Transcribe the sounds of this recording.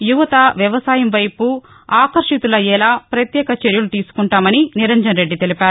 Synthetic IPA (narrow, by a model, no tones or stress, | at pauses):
juʋɐt̪ɐʋjɐʋɐsaːjɐmʋɐjpu | aːkɐɾʂit̪ulɐɛːlaːpɾɐt̪jɛːkɐt͡ʃeɾjulut̪iːsu̥kuɳʈaːmɐniniɾend͡ʒɾɐnɾe̞ɖːit̪elipaːɾu